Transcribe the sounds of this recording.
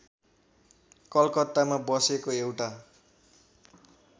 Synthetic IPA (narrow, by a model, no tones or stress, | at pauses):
kʌlkʌt̪ːamabʌsekoewʈa